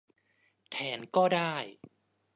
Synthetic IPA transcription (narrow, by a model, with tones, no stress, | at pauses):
t̪ʰɛː˩˦nkɔː˥˩daː˥˩j